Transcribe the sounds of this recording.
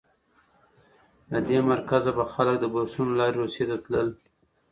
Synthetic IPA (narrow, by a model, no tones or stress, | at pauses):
lad̪emaɾkazabaxalək̚d̪əbasunolɑɾɾosjet̪at̪ləl